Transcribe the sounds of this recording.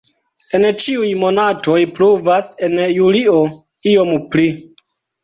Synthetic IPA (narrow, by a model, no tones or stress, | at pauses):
e̞nt͡ʃiujmo̞nato̞jpluvase̞njulio̞ | io̞mpli